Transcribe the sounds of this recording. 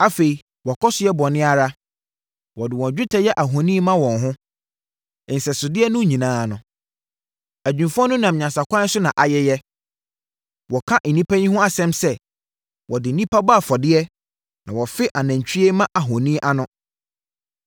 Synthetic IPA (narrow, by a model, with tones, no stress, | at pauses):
a˦fe˨i˨ | wɔ˨kʰɔ˦sʊ˦jɛ˦bɔ˨nɪ̃˦a˨ɾa˦ | wɔ˨dɪ˨wɔ̃˨d͡ʑᶣɪ˦tʰɛ˨˦jɛ˦ʔa˨ɦɔ̃˨nĩ˦mã˦wɔ̃˨nɦʊ̃˦ | n̩˨sɛ˨sʊ˨dɪ˦ɛ˦nʊ̃˦ɲĩ˨nãː˦˨nʊ̃˨ | æ˨d͡ʑᶣũ˨mfɔ̃˦nʊ̃˦nã˨m˨ɲã˨nsa˨kʷʰã˦sʊ˦nã˨ʔa˨jɛ˦jɛ˦ | wɔ˨kʰã˦ʔn̩˨nĩ˦pʰæ˦ɲĩ˦hʊ̃˦a˦sɛ̃˦msɛ˦ | wɔ˨dɪ˨nĩ˦pa˦ba˦˨fɔ˨dɪ˦ɛ˦ | nã˨wɔ˨fɪ˦ʔa˨næ̃˨ɲ˨t͡ɕᶣʰi˦e˦mã˦ʔa˨ɦɔ̃˨nĩː˦ʔa˦nʊ̃˦